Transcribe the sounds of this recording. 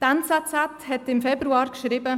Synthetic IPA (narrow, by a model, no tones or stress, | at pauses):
tantsat͡sathɛtɪmfɛbɾuɑːɾkʃɾɪbə